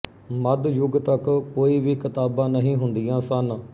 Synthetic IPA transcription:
məd̪jʊɡt̪əkkoːiːʋikɪt̪aːbãːnəɦĩːɦʊnd̪ijãːsən

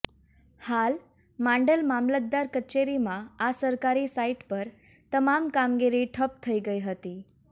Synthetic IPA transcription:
hal | mãɳɖəlmamlət̪̚d̪aɾkət͡ʃeɾimãasəɾkaɾisaiʈpəɾ | t̪əmamkamɡiɾiʈʰəp̚t̪ʰəiɡəiɦət̪i

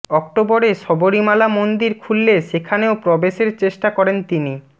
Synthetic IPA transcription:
ɔk̚ʈoboɾeʃɔboɾimalamond̪iɾkʰulːeʃekʰaneopɾɔbeʃeɾt͡ɕeʃʈakɔɾent̪ini

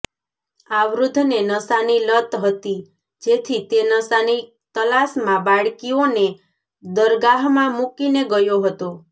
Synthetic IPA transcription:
aʋɾud̪ʱnenəsanilət̪ɦət̪i | d͡ʒet̪ʰit̪enəsani | t̪əlasmãbaɽkione | d̪əɾɡaɦmãmukineɡəjoɦət̪o

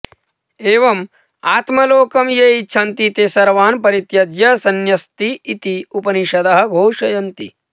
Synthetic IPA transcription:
eːʋɐm | aːt̪mɐloːkɐmjeːitːt͡ʃʰɐnt̪it̪eːsɐɾʋaːnpɐɾit̪jɐd̪jɐsɐnjɐst̪iːt̪iupɐniʃɐd̪ɐɦɐ̆ɡʱoːʃɐjɐnt̪i

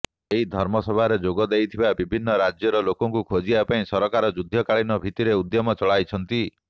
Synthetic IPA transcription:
eɦid̪ʱɔɾmɔsɔbʱaɾed͡ʒoɡɔd̪ejt̪ʰibabibʱinːɔɾad͡ʒjɔɾɔlokɔŋkukʰod͡ʒiapaĩsɔɾɔkaɾɔd͡ʒud̪ʱjɔkaɭinɔbʱit̪iɾeud̪jɔmɔt͡ʃɔɭajt͡ʃʰɔnt̪i

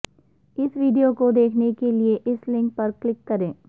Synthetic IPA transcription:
ɪsʋiːɖijokod̪eːkʰnekelieʔɪslɪ̃ŋk̚pɐɾklɪkːɐɾẽː

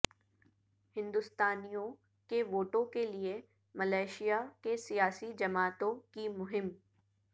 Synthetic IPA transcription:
hɪ̃nd̪ʊst̪aːnijõ | keʋoːʈõkelie | mɐlaːɪʃijakesijaːsid͡ʒɐmaːt̪õkimʊɦɪm

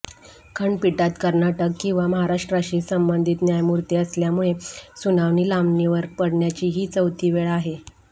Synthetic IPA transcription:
kʰəɳɖpiʈat̪kəɾɳaʈəkːĩw̃ʋaməɦaɾaʂʈɾəɕiːsəmbənd̪ʱiːt̪njajmuɾt̪iəsljamuɭesunaʋniːlamniʋəɾpəɽɳjat͡ɕiːɦiːt͡səwt̪ʰiːʋeɭaɦe

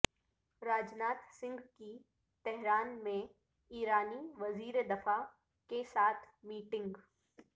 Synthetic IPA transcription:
ɾaːd͡ʒnaːt̪sɪ̃ŋɡki | t̪ɛɦɾaːnmẽ | iːɾaːniʋɐziːɾed̪ɐfa | kesaːt̪ʰ | miːʈɪ̃ŋɡ

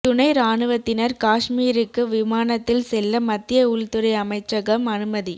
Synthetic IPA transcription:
t̪ʊɳɐɪɾaːnɯʋɐt̪ːɪnɐɾkaːʂmiːɾɯkːɯʋɪmaːnɐt̪ːɪlsɛlːɐmɐt̪ːɪjɐʊɭt̪ɯɾɐɪɐmɐɪt͡ʃːɐɣɐmɐnɯmɐði

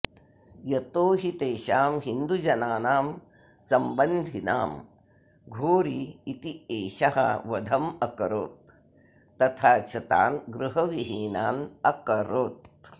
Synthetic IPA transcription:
jɐt̪oːɦit̪eːʃaːmɦind̪ud͡ʒɐnaːnaːm | sɐmbɐnd̪ʱina̰ːm | ɡʱoːɾiːt̪ieːʃɐɦɐ̰ʋɐd̪ʱɐmɐkɐɾo̰ːt̪̚ː | ɐt̪ʰaːt͡ʃʰɐt̪a̰ːnɡɾuɦɐʋiɦiːnaːnɐkɐɾoːt̪̚

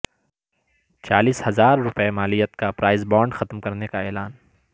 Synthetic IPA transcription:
t͡ʃaːliːshɐzaːɾːʊpemaːlijət̪kapɾaːɪzbɔːɳɖxɐt̪mkɐɾnekaɛːlaːn

